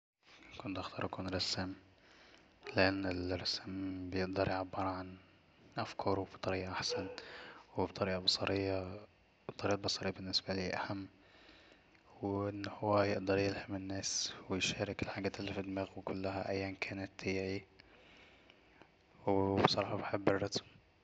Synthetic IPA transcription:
kʊnt̪ʔaxt̪ɑːɾˤakunɾˤɑsam | leʔanːɪlɾˤɑsmbejeʔd̪ɑɾˤjeʕbːɑɾˤʕan | ʔafkʰɑɾˤofi̥t̪ˤɑɾiːʔɑʔaħsænwɪbt̪ˤɑɾiːʔɑbɑsˤɑɾejːa | bt̪ˤːɑɾiːʔɑbɑsˤɑɾejːbenːesbæliːʔæ̰hæmː | weʔɪnːhowːæjeʔd̪ɑɾˤjelhamɪnːæːswɪjʃæːɾɪkɪlħaɡæːt̪ɪlːifid̪ːɪmæːɣwɪkʊlːæhæʔæjːænkʰæːnɪt̪ːiːʕi | wbsˤɑɾˤɑːħɑbeħebːerːɑsm

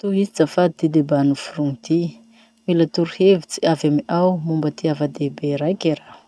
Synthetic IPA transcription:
t̪uɦizit͡safad̪it̪id̪ebanufurunt̪i | milat̪uɾuhevit͡si̥avjamiʔawmumbət̪iavad̪ebeɾajkʲiɾḁ

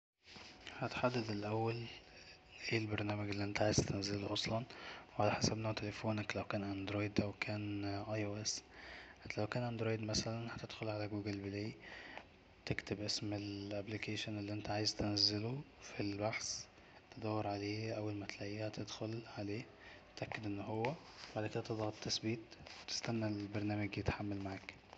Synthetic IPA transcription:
hæt̪ħad̪ːæd̪elʔæwːæl | ʔeːlbeɾˤnæːmæɡelːiʔent̪æʕaːjezt̪enæzːeloʔɑsˤlɑnwʕalæħasæbnot̪elefoːnæklæwkæːnʔænd̪ɾoːjd̪ʔæwkʰæːnʔɑjʔoːʔes | læwkæːnʔænd̪ɾoːjd̪mæsælænhæt̪ed̪̥xolʕalæɡuːɡelbeleː | t̪ekt̪ebʔesmelʔæblikʰeːʃonelːiʔent̪æʕaːjezt̪enæzːelo | filbaħs | t̪ed̪æwːɑɾʕaleːʔæwːælmæt̪læʔiːhæt̪ʰed̪xolʕaleː | t̪ʔækːed̪ʔenːhowːæ | baʕd̪æked̪æt̪ed̪ˤɣɑt̪t̪ːæsbiːt̪wt̪e̥st̪ænːalbɑɾˤnæːmæɡjet̪ħamːælmaʕaːk

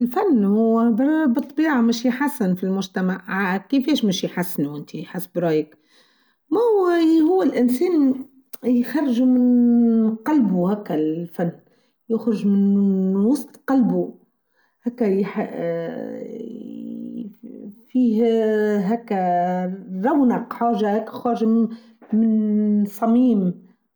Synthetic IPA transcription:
ɪlfanːhʊwːbɾˤbɨt̪ˤːɑbiːʕamæʃjħasːɪnfilmʊʒt̪æmaʕkɪfɛːʃmæʃjħasːnuʔɪnt̪ʰiħasːbɾˤɑːjək | mæʊwːæhʊwːælʔɪnsɛːn | jxɑrˤːʒumɪnqɑlbuhækːæfænː | jʊxɾɪʒmɪnwɑsˤt̪ˤqɑlbu | hæːkːæjħ | fiːhɦæːkːæ | ɾˤɑwnaqħaːʒahæːkːæxɑːɾʒa | mɪnsˤɑmiːm

